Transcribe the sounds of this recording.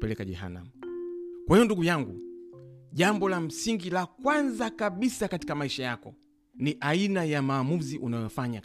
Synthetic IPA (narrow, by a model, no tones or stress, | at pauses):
pɛlɛkaʄɛ̰ha̰na̰mukwahijɔnduɡujaŋɡu | ʄambɔlam̩siŋɡilakwanzakaɓisakati̥kamaiʃajakɔ̰ | niʔainajamaːmuziʔunajɔfaɲa